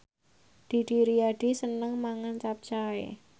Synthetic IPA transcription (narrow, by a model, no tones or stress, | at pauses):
d̪̥i̤ɖ̥iɾiaɖ̥i̤sənəŋmaŋant͡ʃap̚t͡ʃaḛ